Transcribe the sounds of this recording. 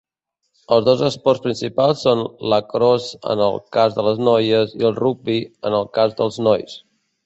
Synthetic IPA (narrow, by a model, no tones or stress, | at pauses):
əlˠzðozəspɔrspɾinsipalˠsːonləkɾɔzə̰nə̰lˠkazðələznɔjəziəlˠruɡ̚biənəlˠkazðəlˠznɔjs